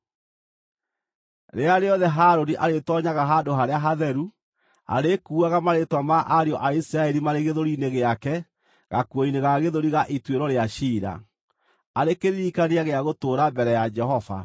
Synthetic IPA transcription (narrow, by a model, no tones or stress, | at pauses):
ɾeaɾeɔðɛɦaɾoniʔaɾetɔɲaɣaɦadoɦaɾeaɦaðɛɾu | a̰ɾekuːaɣamaɾetwamaʔaɾeɔʔaisiɾaɛɾimaɾeɣeðoɾineɣeakɛ | ɣakwɔineɣaɣeðoɾiɣaʔitweɾɔɾeaɕiɾa̰ | aɾekeɾiɾikaneaɣeaɣotoːɾambɛɾɛjad͡ʒɛhɔva̰